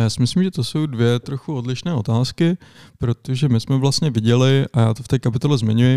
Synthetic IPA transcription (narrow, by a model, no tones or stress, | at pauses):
jaːsɪmɪslimʒɛt̪oso̞wdvɪjɛt̪ɾo̞xuo̞dlɪʃnɛːo̞t̪aːskɪpɾo̞t̪o̞ʒɛmɪsmɛvlast̪ɲɛvɪɟɛlɪʔajaːt̪oft̪ɛːkapɪt̪o̞lɛzmɪɲujɪ